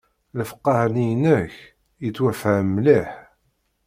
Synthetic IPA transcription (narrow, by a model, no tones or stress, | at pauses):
ləfə̥qːɑhnijənːəç | jət͡sːwæfəʕmliħ